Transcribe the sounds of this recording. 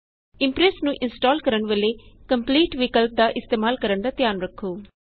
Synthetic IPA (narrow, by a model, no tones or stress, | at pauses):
ɪmpɾɛsnũːʔɪnsʈaːlkəɾəɳʋeleːkəmpliːʈʋiːkəlp̚d̪aːʔɪst̪eːmaːlkəɾəɳd̪aːt̪ɪjaːnɾəkʰːoː